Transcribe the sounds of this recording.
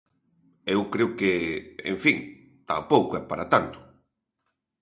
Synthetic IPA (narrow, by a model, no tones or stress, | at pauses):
ewkɾeʊkeḛɱfiŋ | t̪a̰powkoɛpaɾat̪ant̪ʊ̥